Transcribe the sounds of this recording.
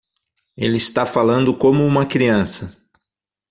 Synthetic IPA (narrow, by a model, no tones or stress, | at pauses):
ḛlɪist̪afalɐ̃nd̪ʊkõmʊũmɐkɾiɐ̃sɐ